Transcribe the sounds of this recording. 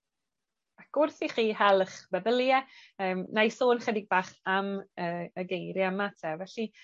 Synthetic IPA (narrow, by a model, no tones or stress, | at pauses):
aɡ̥ʊrθiχiːhɛlˠəχbɛðəlˠjɛəːmnajsoːnχədɪɡ̚baːχaməːəɡejɾjamatʰɛvɛɬi